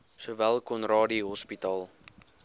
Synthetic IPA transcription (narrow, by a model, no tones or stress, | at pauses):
suvælˠkɔnrɑːdiɦɔspitɑːlˠ